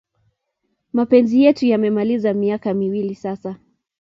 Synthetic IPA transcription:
mapɛnzijɛtujamɛmalizamiakamiwilisasa

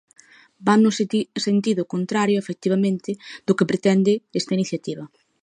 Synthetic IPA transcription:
bannʊsent̪iðʊkont̪ɾaɾjʊefek̚t̪iβɐmẽnt̪ɪd̪ʊkɪpɾet̪ɛnd̪ɪest̪ɐiniθjat̪iβɐ

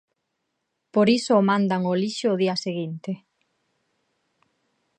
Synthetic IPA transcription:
poɾisoːmand̪aŋoliʃoːðiaseɣint̪e

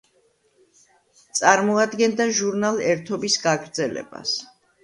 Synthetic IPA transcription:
t̪sʼaɾmɔad̪ɡɛnd̪aʒuɾnalˠɛɾt̪ʰɔbisɡaɡɾd̪zɛlɛ̰ba̰s

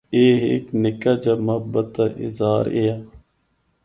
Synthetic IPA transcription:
eːɦḛːknɪkaːd͡ʒaːməɦəbət̪aʔɪ̰zaːɾeːaː

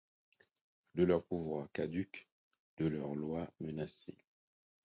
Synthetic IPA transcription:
d̪əlœʁpuvwaʁkad̪yk | d̪̥əlœʁlwamənasḛ

